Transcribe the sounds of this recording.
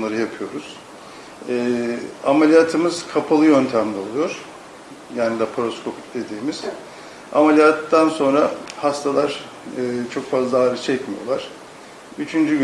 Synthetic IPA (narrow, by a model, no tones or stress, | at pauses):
unlˠaɾɯjapʰɯjo̞ɾuz̥ | ɛːamelʲijaːt̪ʰɯmɯz̥kʰapʰalˠɯjø̞nt̪ʰæmlʲɛolˠujo̞ɾ̥ | jaːnid̪apʰɾo̞skʰo̞pʰi̥c̚d̪e̞d̪iːmiz̥ | a̰melʲijat̪ːanso̞nɾahast̪ʰalˠaɾ̥ | ɯːt͡ʃʰo̞kfazlˠaːɾɯt͡ʃʰɛcmijo̞̰lˠaɾ̥ | yt͡ʃʰynd͡ʒyɡ